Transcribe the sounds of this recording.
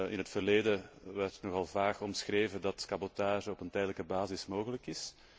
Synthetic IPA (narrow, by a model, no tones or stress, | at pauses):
ɪ̰nɦətfərleːdəʋɛrtnɔɣɑlˠvaːxɔmsxreːvədɑtkɑbɔtaːʒəɔpəntɛjdələkəbaːzɪsmoːɣələkɪs